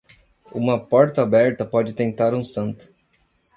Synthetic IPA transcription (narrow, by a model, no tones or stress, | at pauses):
ũmɐpɔɾt̪ɐabɛɾt̪ɐpɔd͡ʒɪt̪ẽnt̪aɾũsɐ̃nt̪ʊ̥